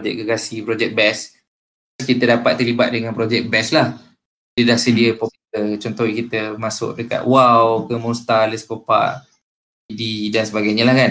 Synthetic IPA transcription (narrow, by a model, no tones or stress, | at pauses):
d͡ʒɛʔ̚ɡəɡasipɾod͡ʒɛk̚bɛs | skit̪ədapat̪ːəlibat̪̚dəŋanpɾod͡ʒɛk̚bɛslah | dədahsədiəpopitət͡ʃɔnt̪ɔikit̪əmasʊ̰k̚dəka̰ʔ̪̚wawkəmust̪aləspəpa̰ʔ | ididansəbaɡajɲəlahkan